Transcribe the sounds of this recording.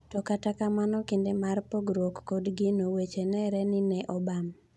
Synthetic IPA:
tɔkatakamanɔkendemarpoɡɾokːodɡɪnowet͡ʃenɛɾɛnɪnɛʔɔbam

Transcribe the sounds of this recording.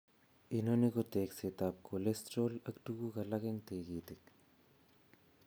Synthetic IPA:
inoniɣot̪eːkset̪ap̚kolest̪ɾolakt̪uɣuɣalaɣeŋt̪eɣit̪ik̚

